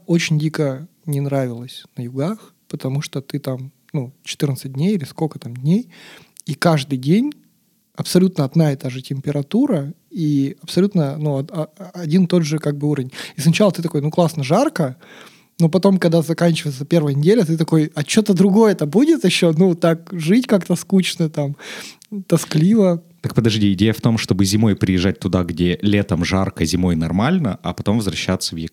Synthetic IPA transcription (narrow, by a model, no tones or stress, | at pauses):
ot͡ɕɪnʲdʲikənʲɪnɾavʲɪlˠəsʲnəjʊɡax | pət̪ɐmuʂt̪ot̪ɨt̪am | nut͡ɕɪ̥t̪ɨrnət̪sɨt̚ʲdʲnʲejɪlʲɪskolʲkə̥t̪amdʲnʲej | ikaʐd̪ɨjdʲenʲ | ɐpsɐlʲut̪nəɐd̪naɛt̪aʐɨtʲɪmʲpʲɪɾɐt̪uɾəiɐpsɐlʲut̪nənuɐɐɐdʲint̪o̞d̪ʐɨkaɡ̚bɨuɾəvʲɪnʲisnɐt͡ɕalˠət̪ɨt̪ɐko̞jnuklˠasnəʐarkə | nopɐt̪o̞mkɐɡ̚d̪azɐkanʲt͡ɕɪvəjɪt̪səpʲe̞rvəjənʲɪdʲelʲət̪ɨt̪ɐko̞jɐt͡ɕːo̞t̪əd̪ɾʊɡo̞jət̪əbudʲɪt̪jɪɕːo̞nut̪ak̚ʐɨtʲkakt̪əskut͡ɕnət̪am | t̪ɐsklʲivə | t̪ək̚pəd̪ɐʐdʲiɪdʲejəft̪o̞mʂt̪o̞bɨzʲɪmo̞jpɾʲɪjɪʐːat̚ʲt̪ʊd̪aɡdʲelʲet̪əmʐarkəzʲɪmo̞jnɐrmalʲnəʔɐ̰pɐt̪o̞mvəzvɾɐɕːat̪sːəvjik